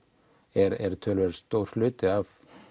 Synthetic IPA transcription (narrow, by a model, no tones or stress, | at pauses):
ɛɾɛɾt̪ʰœlvɛɾst̪owɾ̥hlʏːt̪ɪav